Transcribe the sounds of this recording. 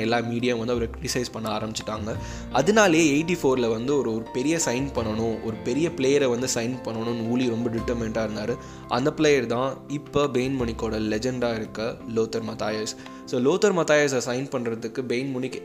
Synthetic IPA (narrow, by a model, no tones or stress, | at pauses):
ɛlːaːmiːɽɪjɐʋɐnd̪ɯɐʋɐɾɯkɾɪʈɪsɐɪspɐɳːɐaːɾɐmbɪt͡ʃːɪ̥ʈːaːŋɡɐ | ɐðɯnaːlɐjeːeɪʈːifoːɾɪlɐʋɐnd̪ɯɔɾɯɔɾɯpɛɾɪjɐsɐɪnpɐɳːɐɳʊ̃ɔɾɯpɛɾɪjɐpɭeːjɐɾɛʋɐnd̪ɯsɐɪnpɐɳːɐɳʊ̃nuːliɾɔmbɐɖɪʈːɐɾmɛɳʈaːɪɾɯnd̪aːɾɯ | ʔɐ̰nd̪ɐpɭleːjɐɾt̪ãːɪpːɐbeɪnmʊɳɪkːoːɽɐlɛd͡ʒɛɳɖaːɪɾɯkːɐloːt̪ːɐɾmɐt̪aːjɐɾs | soːloːt̪ːɐɾmɐt̪ːaːjɐɾs̬ɐsɐɪnpɐɳːɾɐðɯkːɯbeɪnmʊɳɪkː